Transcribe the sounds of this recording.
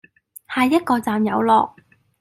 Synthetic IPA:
haː˨˩jːɐ˥t̚kɔː˧t͡saː˨mjɐ˨˧wlɔ̰ː˨k̚

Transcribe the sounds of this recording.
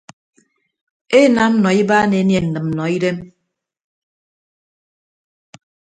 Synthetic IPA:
e˦na˨˦m̩˦nɔ˨i˦baː˦ne˨˦nje˨n̩˨nɨ˨mm̩˨nɔ˨i˦ɾe˦m

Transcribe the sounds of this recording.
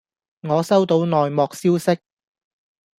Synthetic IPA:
ŋɔː˨˧sɐ˥wt̪o˨˧wnɔː˨jmɔː˨k̚siː˥wsɪ˥k̚

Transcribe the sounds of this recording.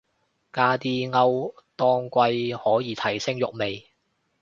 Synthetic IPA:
kaː˧t̪iː˧ŋɐ˧wt̪ɔː˧ŋkʷɐ˧jhɔː˨˥jiː˨˧t̪ʰɐ˨˩jsɪ˥ŋjʊ̰˨k̚me˨j

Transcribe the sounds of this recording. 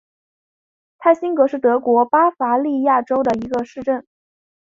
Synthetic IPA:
t̪ʰa˥˩ɪɕi˥ŋkɤ˧˥ʂɻ̩˥˩t̪ɤ˧˥kwɔ˧˥pa˥fa˧˥li˥˧ja˥˩ʈ͡ʂo˥ʊd̪ə˨˩i˧˥ɡə˧ʂɻ̩˥˧ʈ͡ʂə˥˩n

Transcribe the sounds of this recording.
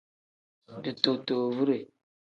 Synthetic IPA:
di˨to˨to˨vu˦ɾe˨

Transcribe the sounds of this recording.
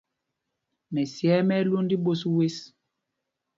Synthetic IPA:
mɛ˨sjɛ˦mɛ˦lo˦ndi˦ɓo˦swe˦s

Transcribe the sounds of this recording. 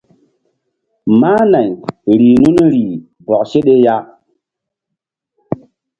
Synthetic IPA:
maː˦na˨ɲɾiː˨nu˦nɾiː˨ | bɔ˨kse˦ɗe˦ja˦

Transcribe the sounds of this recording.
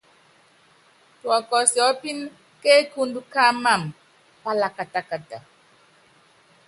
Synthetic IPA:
twɔ˨kɔ˨sjɔ˨˦pi˦n˦ | ke˦ku˦ndu˦ka˦ma˦˨m˨ | pa˦la˨ka˨ta˨ka˨ta˨

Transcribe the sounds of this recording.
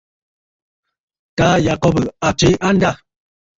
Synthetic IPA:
taː˦ja˨kɔ˦bə˨a˨t͡ʃe˦a˦n˦da˦˨

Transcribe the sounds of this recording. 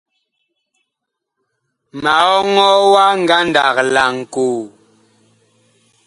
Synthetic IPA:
ma˨ɔ˦ŋɔ˦wa˦ŋ̩˨ɡa˦nda˨kla˨ŋ̩˨ko˨

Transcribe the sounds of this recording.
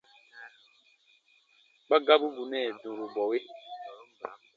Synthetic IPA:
k͡pa˦ɡa˦bu˦ɡu˨nɛ˦˨dũ˨ɾu˨bɔ˨we˦

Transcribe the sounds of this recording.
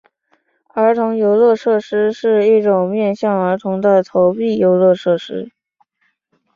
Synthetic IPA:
ə˞˧˥t̪ʰʊ˧˥ŋjo˧˥ʊlɤ˥˧ʂɤ˥˩ʂɻ̩˥ʂɻ̩˥˧i˥˩ʈ͡ʂʊ˨˩ŋmjɛ˥˧nɕjɑ˥˩ŋə˞˧˥t̪ʰʊ˧˥ŋd̪ə˧t̪ʰo˧˥ʊpi˥˩jo˧˥ʊlɤ˥˧ʂɤ˥˩ʂɻ̩˥

